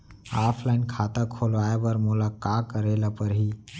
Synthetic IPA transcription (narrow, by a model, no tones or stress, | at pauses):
aːpʰlaːɪnkʰaːt̪akʰolʋaːebəɾmulakakːəɾelapəɾɦiː